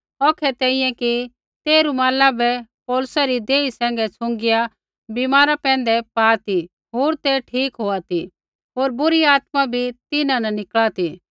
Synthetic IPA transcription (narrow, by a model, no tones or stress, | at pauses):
ɔkʰɛt̪ɛːĩjɛ̃ki | t̪eːɾumaːlabɛpɔːlʊsaɾid̪eːisɛ̃ːŋ̆ɡɛt͡sʰʊ̃ŋɡɪja | bimaːɾapɛ̃ːn̆d̪ɛpaːt̪i | ɦoːɾt̪eʈʰiːkɦoːat̪i | ɦoːɾbʊɾiaːt̪mabʱit̪ɪnãnɐnɪkɭat̪i